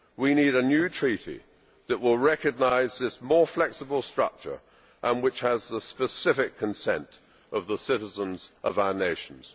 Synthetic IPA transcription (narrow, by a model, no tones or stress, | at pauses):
winiɾɨnjʉtʰɹ̥iɾḭ | ðɨʔwɪlˠɹɛkɨɡ̚naɪzðɪsmɔɹflɛksəbəl̩ˠstɹ̥ʌ̰k̚t͡ʃə̰˞ | ʔə̃nwɨt͡ʃhəzðəspɨsɪfɪkʰə̃nsɛ̰̃nt | ʔʌvðəsɪɾəzə̃nzʔʌvaʊə˞neɪʃn̩z̥